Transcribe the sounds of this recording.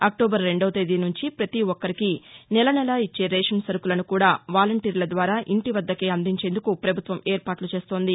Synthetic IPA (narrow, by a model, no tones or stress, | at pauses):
ɐk̚ʈoːbɐɾːe̞ɳɖoʋɐt̪ed̪inuɲt͡ʃipɾɐt̪iɔkːɐɾikinɛlɐnɛlaːit͡ʃːe̞ːɾeːʂɐnsɐɾukulɐnukuːɽaːʋaːlɐɳʈiːɾlɐd̪ʋaːɾaːʔiɳʈiʋɐd̪ːɐkeːɐnd̪ʱiɲt͡ʃe̞ːnd̪ukupɾɐbʱut̪ʋɐmeːɾpaːʈlut͡ʃe̞ːst̪o̞ːnd̪i